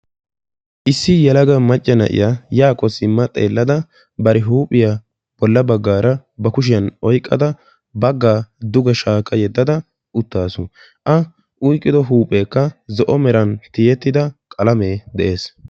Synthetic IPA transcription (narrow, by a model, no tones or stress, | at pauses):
ʔɪsːɪjɛlɐɡɐmɐt͡ʃʼːɛnɐ̰ʔɪ̰jajaːkʼɔsɪmːɐt̪ʼḛːlːɐd̪ɐ | bɐɾɪɦuːpʼːɪja | b̥ɔlːɐbɐɡːaːɾɐbɐkʊʃ̬ɪjɐnɔjkʼːɐd̪ɐ | bɐɡːaːd̪ʊɡɐʃaːkʼːɐjɛd̪ːɐd̪ɐ | ʔʊt̪ːaːsʊ | ʔɐ | ʔʊjkʼːɪd̪ɔɦuːpʼeːkːɐzɔʔɔmɛɾɐnt̪ɪjɛt̪ːɪd̪ɐkʼɐlɐmeːd̪ɛʔe̞ːs